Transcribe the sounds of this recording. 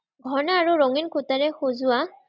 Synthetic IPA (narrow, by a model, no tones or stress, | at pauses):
ɡʱɔnaːɹuɹoŋinkʰutaɹɛxozʊwa